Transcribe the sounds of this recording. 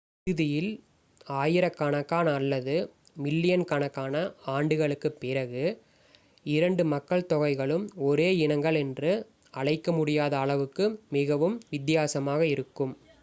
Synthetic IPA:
ɪɯðɪjɪl | aːjɪɾɐkːɐɳɐkːaːnɐːlːɐðɯ | mɪlːɪjɐnkɐɳɐkːaːnɐaːɳɖɯɣɐɭɯkːɯpːɪɾɐɣɯ | ɪɾɐɳɖɯmɐkːɐɭt̪ɔɣɐɪɣɐɭɯmɔɾeːɪnɐŋɡɐɭɛndrɯ | ɐɭɐɪkːɐmʊɽɪjaːðɐːɭɐʋɯkːɯmɪɣɐʋɯmʋɪt̪ːɪjaːsɐmaːɣɐɪɾɯkːɯm

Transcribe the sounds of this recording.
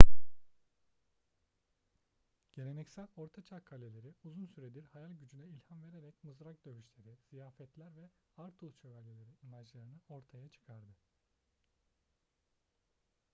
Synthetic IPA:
ɟ̥e̞ɾenɛcsælʲo̞ɾt̪ʰat͡ʃʰakʰːalʲe̞lʲeɾiuzunsyɾed̪iɾhajalʲɟyd͡ʒynɛilʲhamve̞ɾeɾɛcmɯzɾak̚d̪øβyʃlʲe̞ɾiz̥ijaːfɛt̪lʲæɾvɛhaɾt̪ʰulˠt͡ʃʰø̞væɾlʲelʲeɾinimad͡ʒlˠaɾɯnɯo̞ɾt̪ʰajat͡ʃʰɯ̥kʰaɾd̪ɯ

